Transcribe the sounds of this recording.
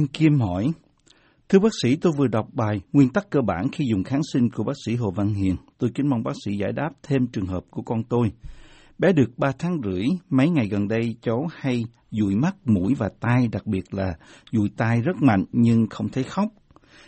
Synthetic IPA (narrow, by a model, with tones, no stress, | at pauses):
i˧nki˧mhɔ˧˩j | t̪ʰɨ˧əɓaː˦˥k̚sḭ˧˥t̪o˧jvɨ˨˩əɗa˨˩wk͡p̚ɓaː˨˩jŋwi˧ənt̪a˦˥kːəː˧ɓaː˧˩nxi˧zʊ˨˩ŋ͡mxaː˨˦nsi˧ŋku˧˩əɓaː˦˥k̚sḭ˧˥ɦo̰˧˨va˧nhḭ˧˨˩ənt̪o˧jkï˨˦ŋma˧wŋ͡mɓaː˦˥k̚sḭ˧˥za̰ː˧˩jɗaː˦˥p̚t̪ʰe˧mt͡ɕɨ˨˩əŋɦəː˨˩p̚ku˧˩əkɔ˧nt̪o˧j | ɓɛ˨˦ɗɨ˨˩ək̚ɓaː˧t̪ʰaː˨˦ŋzɨ̰˧˩əjmə˨˦jŋa˨˩jɣə˨˩nɗə˧jt͡ɕə˨˦wha˧j | zṵ˧˨jma˦˥t̚mṵ˧˩jvaː˨˩t̪aː˧jɗa˨˩k̚ɓi˨˩ət̚laː˨˩zṵ˧˨jt̪aː˧jzə˦˥t̚ma̰˧˨jŋ̟ɲɨ˧ŋxə˧wŋ͡mt̪ʰe˨˦xa˦˥wk͡p̚